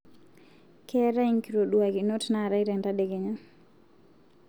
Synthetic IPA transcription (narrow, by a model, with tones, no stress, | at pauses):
kɛ˦ɾa˦iŋki˨ɾo˨ɗua˨ɡi˨no˦tna˨ɾa˦iɾe˨nda˦de˨ɡe˨ɲa˦